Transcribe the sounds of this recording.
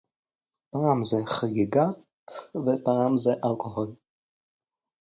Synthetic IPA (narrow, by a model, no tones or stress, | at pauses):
taamzɛχaɡiɡat | vetaamzɛʔalkʼoɦol